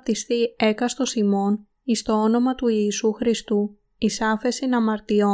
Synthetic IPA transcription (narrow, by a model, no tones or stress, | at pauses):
t̪ist̪ie̞kɐst̪o̞simo̞n | ist̪o̞ono̞mɐt̪uiːsuxɾist̪u | isɐfe̞sinɐmɐɾt̪io̞